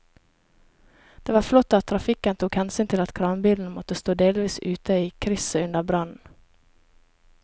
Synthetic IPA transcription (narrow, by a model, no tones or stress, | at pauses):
d̪̥eːʋɑːflɔt̪ːɑt̪ʰːɾɑfɪkənt̪ʰuːkhɛnsyːnt̪ʰɪlɑt̪kʰɾɑːmbiːln̩mɔt̪əst̪oːd̪eːlʋiːsʉːt̪əiːkʰɾɪsəʉnd̪əbɾɑnn̩